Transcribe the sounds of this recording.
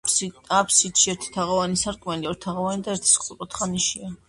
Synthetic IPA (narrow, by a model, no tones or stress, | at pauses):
apʰsit̪ʃiɛɾt̪ʰi̥t̪ʰaʁavanisaɾkʼmɛliɔɾit̪ʰaʁavanid̪aɛɾt̪ʰi̥skʼuɾʼɔt̪ʰχaniʃia